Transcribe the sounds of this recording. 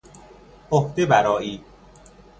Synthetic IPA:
ohd̪ebæɾɒːʔiː

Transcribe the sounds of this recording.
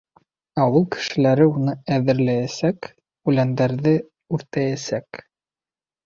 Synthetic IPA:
ɑwɤlˠkɘ̥̆ʃɘ̆læɾɘunɤæðɘ̆ɾlæjæsæk | ʉlænd̪æɾðɘ | ʉɾt̪æjæsæk

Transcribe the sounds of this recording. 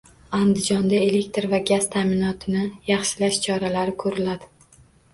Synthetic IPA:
and̪ɪd͡ʒɒnd̪ae̞le̞k̚t̪ɾvaɡaz̥t̪ʰamɪnɒt̪ʰɪnɪjɑχʃɪlaʃt͡ʃʰɒɾalaɾɪkʰɵɾɪlad̪ɪ

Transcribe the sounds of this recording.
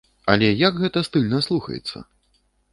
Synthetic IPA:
ɐlʲɛjɐɡɣɛt̪ɐst̪ɨlʲnɐslˠuxɐ̰jɛ̰t̪sːɐ̰

